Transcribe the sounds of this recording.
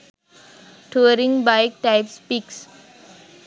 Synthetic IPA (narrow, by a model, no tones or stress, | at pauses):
ʈʰuəɾĩŋbaɪk̚ʈaɪpspiks